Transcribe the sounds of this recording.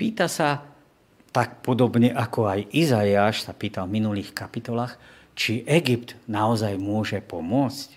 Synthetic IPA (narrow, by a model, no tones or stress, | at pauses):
piːt̪asa | t̪ak̚pɔd̪ɔbɲɛʔakɔajʔizajaːʃsapiːt̪alvminuliːxkapit̪ɔlaːx | t͡ʃiʔɛɡipt̪naɔzajmʊɔʒɛpɔmʊɔt͡sc